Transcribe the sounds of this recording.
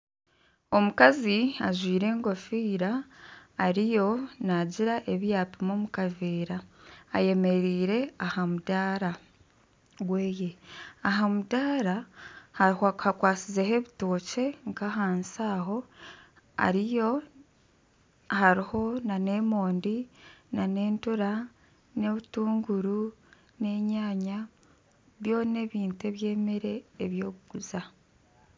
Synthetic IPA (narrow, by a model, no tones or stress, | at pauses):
omukaziaʒwiːɾe̞ːŋɡo̞fiːɾaː | ɾijo̞naɟiɾaʔe̞βjaːpimomukaveːɾaːje̞me̞ɾiːɾe̞ahamudaːɾa | ɡweːje̞aɦamudaːɾahahhakwaːsizeɦe̞βitoːce̞ŋkaɦaːnsaːɦo̞ | a̰ɾijo̞ | haɾiho̞nane̞mo̞ːndinane̞ːntuɾa | ne̞βutuːŋɡuɾu | ne̞ɲaːɲa | βjo̞ːne̞βiːntue̞βje̞ːmeɾe̞ːβjo̞ːβuɡ̥uza